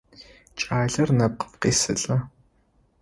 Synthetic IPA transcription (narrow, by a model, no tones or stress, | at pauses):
t͡ʃʼaːɮɐrnɐp̚qə̥pqiːsɨ̰ɬʼɐ